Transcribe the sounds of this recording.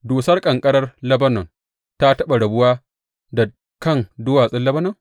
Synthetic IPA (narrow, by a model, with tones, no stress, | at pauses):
doː˨sɐ˦rkʼɐ˨ŋkʼɐ˦ɽɐ˦rlɐ˦bɐ˦nɐ˨ŋ | ta˦tɐ˦ɓa˨ɽɐ˨bʊ˦waː˦ | da˨ | kɐ˦˨ŋdʊ˦waː˨sʼɪ˦nlɐ˦bɐ˦nɐ˨ŋ